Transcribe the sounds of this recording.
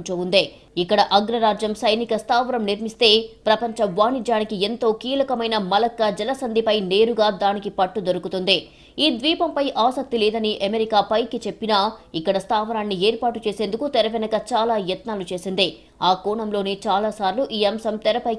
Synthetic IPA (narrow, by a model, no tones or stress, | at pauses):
t͡ʃoːund̪eː | ikːɐɽɐʔɐɡɾɐɾaːd͡ʒjɐmsɐjnikɐst̪aːʋɐnɐmniɾmist̪e̞ːpɾɐpɐɲt͡ʃɐʋaːnid͡ʒjaːnikient̪o̞ːkiːlɐkɐmɐjnɐmɐlɐkːɐd͡ʒɛlɐsɐnd̪ʱipɐjne̞ːɾuɡaːd̪aːnikipɐʈːud̪oɾukut̪und̪e | iːd̪ʋiːpɐmpɐjʔaːsɐk̚t̪ileːd̪ɐniʔɐmeɾikaːpɐjkit͡ʃe̞pːinaːikːɐɽɐst̪aːʋɐnaːnːieːɾpaːʈut͡ʃe̞ːse̞ːnd̪ukut̪ɛɾɐʋɛnɐkɐt͡ʃaːlaːjɛt̪naːlut͡ʃe̞ːsind̪eː | aːkɔːɳɐmlo̞ːneːt͡ʃaːlaːsaːɾluʔiːɐmsɐmt̪ɛɾɐpɐj